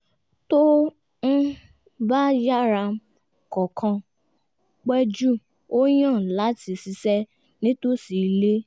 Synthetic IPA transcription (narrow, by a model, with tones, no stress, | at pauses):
to˦ | n̩˦ | ba˦ja˦ɾa˧ | kɔ˨kʰã˧ | k͡pɛ˦d͡ʒu˦ | o˦j̃ã˦˨la˨˦ti˧si˧sɛ˦ | nĩ˦to˦si˨˧le˦